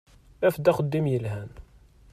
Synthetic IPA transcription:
æfd̪æχəd̪ːimjəlɦæn

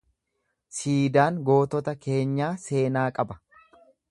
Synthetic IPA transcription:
siːd̪aːŋɡo̞ːt̪ɔt̪ɐke̞ːɲːaːse̞ːnaːkʼɐbɐ̥

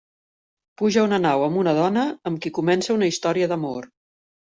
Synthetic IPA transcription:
puʒəunənawəmbunəð̞ɔnəːmkikumɛnsəunəist̪ɔɾiəðəmor

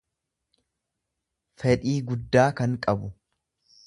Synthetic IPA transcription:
fɛᶑiːɡʊd̪ːaːkɐŋkʼɐbʊ

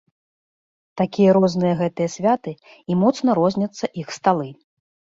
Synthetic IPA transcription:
t̪akʲijɐɾɔznɨjɐɣɛt̪ɨjɐsʲvʲat̪ɨ | imɔt̪snɐɾɔzʲnʲɐt̪sːɐʔixst̪alˠɨ

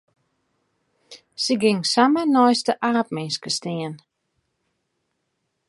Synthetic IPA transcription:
səɡɪŋsamənɔjstəʔaːp̚mɪnskəstiən

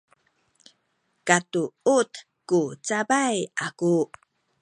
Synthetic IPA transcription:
katuut | kut͡sabajaku

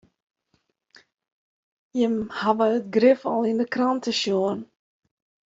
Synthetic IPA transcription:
jəmhaʋəətɡrɪfɔlˠindəkrɑntəʃjoən

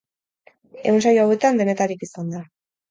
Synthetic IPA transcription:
e̞̰unsajawe̞t̪and̪e̞ne̞t̪aɾikisand̪a

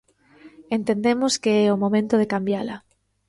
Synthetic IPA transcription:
ent̪end̪emoskeɛomomẽnt̪oð̞ekambjala

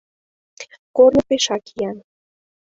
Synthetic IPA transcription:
kornəpeʃɑkijɑn

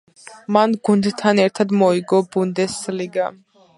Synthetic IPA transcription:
manɡund̪t̪ʰanɛɾt̪ʰad̪mɔiɡɔbund̪ɛsliɡa

